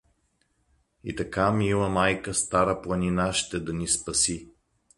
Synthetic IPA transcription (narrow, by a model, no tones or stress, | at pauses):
ḭt̪ɐkamilˠəmajkəst̪aɾəplˠɐninaʃt̪ɛd̪ɐnispɐsi